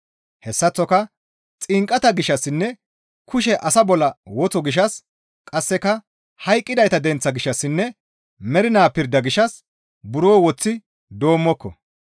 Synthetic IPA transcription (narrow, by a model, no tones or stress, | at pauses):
hɛsːɐt͡sːɔkɐ | t͡sʼɪŋkʼɐt̪ɐɡɪʃɐsːɪnːɛ | kʰʊʃ̬ɛʔɐsɐbɔlːɐwɔt͡sɔɡɪʃ̬ɐs | kʼɐsːɛkɐ | hɐjkʼːɪd̪ɐjt̪ɐd̪ɛnt͡sːɐɡɪʃːɐsːɪnːɛ | mɛɾɪnaːpɪɾd̪ɐɡɪʃɐs | bʊɾoːwɔt͡sːɪ | d̪o̞ːmːɔkːɔ̰